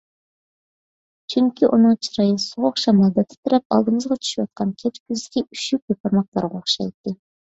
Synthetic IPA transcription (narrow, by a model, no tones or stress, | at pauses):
t͡ʃʰyŋkʲiʔunɨŋt͡ʃʰiɾɑjɨsʊʁoχʃɑmɑlˠd̪ɛt̪ʰːɨ̥t̪ʰʊɾɛp̚ɑ̰lˠd̪ɨmɨzʁɑt͡ʃʰy̥ʃiwɑ̰t̪̚qʰɑnkʲʰɛt͡ʃkʲʰyzd̪ɪkʲiyʃyk̚ʲkʲøpɑɾmɑq̚lˠɑ̰ɾʁoχʃɑ̰jt̪ːɨ